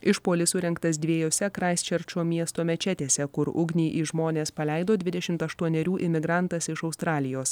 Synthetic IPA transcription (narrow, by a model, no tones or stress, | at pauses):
ɪʃpoːlʲɪsʊɾʲɛŋkt̪ɐsd̪ʲʋʲiɛːjoːsʲɛkɾɑɪsʲt͡ʃʲɛɾʲt͡ʃʲoːmʲiɛst̪oːmʲɛt͡ʃʲɛt̪ʲeːsʲɛkʊɾʊ̰ɡnʲiːʔiʒmoːnʲeːspɐlʲɛˑɪd̪oːd̪ʲʋʲɪd̪ʲɛʃʲɪmt̪ɐʃt̪uɔnʲɛɾʲuːʔɪmʲɪɡɾɑnt̪ɐsɪʃɒʊst̪ɾɑːlʲɪjoːs